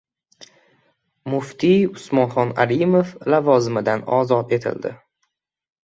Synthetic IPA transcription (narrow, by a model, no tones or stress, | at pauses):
mʊft̪ʰiʊsmɒnχɒna̰ɾimoflavɒzɪmɪd̪anɒ̰zɒt̪e̞t̪ʰɪ̰ld̪ɪ̰